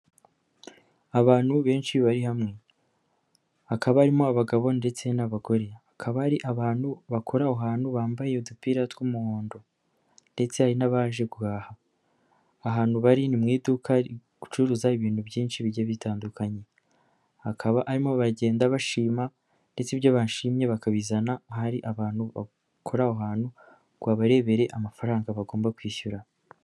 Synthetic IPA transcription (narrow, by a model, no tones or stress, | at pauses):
aβaːn̥huβe̞ːnʃiβaɾihamŋe̞ | akaβahaɾimo̞aβaɡaβo̞nde̞t͡se̞naβaɡo̞ɾeakʰaβaaɾiʔaβaːn̥huβakʰo̞ɾauɦaːn̥huβaːmbaje̞udupiɾatwumuhoːndo | nde̞t͡se̞haɾinaβaːʒe̞ɡuɣaːhaː | ɦaːn̥huβaɾinimŋiːdukaɾiɡ̥u̥t͡ʃuɾuzaiβiːn̥hubjiːnʃiβiɾɟaβitaːndukʰaɲe̞ | hakʰaβaʔaɾimo̞βaɟe̞ːndaβaʃiːma | nde̞t͡siβjoβaːʃiːmɲe̞βakaβizanahaɾiʔaβaːnhuβa̰ | kʰo̞ɾaoɦaːn̥hu | ɡ̥waːβaɾe̞βe̞ɾe̞ʔamafaɾaːŋɡaβaɡo̞ːmbakwiːçuɾa